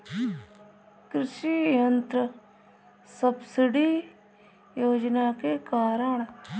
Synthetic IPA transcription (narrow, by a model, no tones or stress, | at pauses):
kɾɪʃijənt̪ɾə | səbsɪɖi | joːd͡ʒnakekaːɾəɳ̃